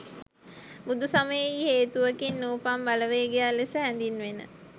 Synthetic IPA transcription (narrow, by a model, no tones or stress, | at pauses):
bud̪usaməjejheːt̪uʋəkinːuːpambaləʋeːɡejalesəɦɛnd̪inʋenə̰